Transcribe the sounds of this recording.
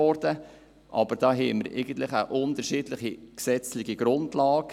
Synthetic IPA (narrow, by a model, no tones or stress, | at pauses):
ɔɾdə | ʔɑ̰bəɾd̥ɑːɦɛɪməɾɛ̰ɪɡ̥ən̩t̪lɪχəʔʊndəɾʃiːdlɪχiksɛt͡slɪɡiɡɾʊndlɑːk